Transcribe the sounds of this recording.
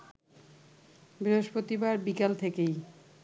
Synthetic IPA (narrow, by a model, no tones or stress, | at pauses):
bɾiɦoʃpɾot̪ibaɾbikelt̪ʰekej